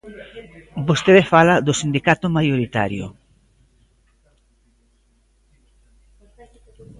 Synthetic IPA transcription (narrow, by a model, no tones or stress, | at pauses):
bost̪eðefalad̪ʊsind̪ikat̪ʊmajoɾit̪a̰ɾjʊ̰